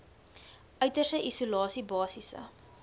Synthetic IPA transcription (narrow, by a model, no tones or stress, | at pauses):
ʔœɥtərsəʔisulɑːsibɑːsisə̰